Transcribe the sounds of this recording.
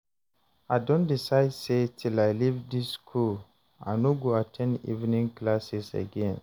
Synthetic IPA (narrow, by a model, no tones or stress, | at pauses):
aɪdɔ̃ndisaɪdsetʰilaɪlivdiskʰul | a̰noɡoatʰɛ̃ndḭvnĩŋklasisa̰ɡɛ̃n